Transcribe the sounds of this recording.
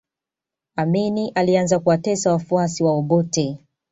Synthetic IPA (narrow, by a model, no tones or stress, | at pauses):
aminiʔalianzakuwatɛsawafuasiwaɔɓɔtɛ